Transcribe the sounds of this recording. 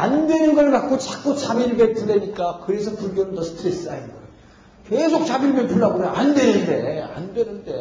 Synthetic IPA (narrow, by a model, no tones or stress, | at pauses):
andwe̞nɯnɡʌɭkat̚k͈ot͡ɕak̚k͈ot͡ɕabiɭbek̚t͈ɯdwe̞ɲik͈akɯɾe̞s̬ʰʌkɯɡjonɯnʌsʰɯ̥tʰɯɾes͈ainɡa | kesʰok̚t͡ɕabiɭbetuɭːaɡonaandwe̞nɯnde̞a̰ndwe̞nɯnde